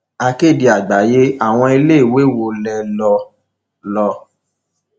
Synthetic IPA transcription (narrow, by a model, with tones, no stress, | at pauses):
a˧ke˦˨di˧a˨ɡ͡ba˨je˦a˦˨w̃ɔ̃˧i˧le˦i˦˨we˨˦˨wo˧lɛ˧lɔ˧ | lɔ˧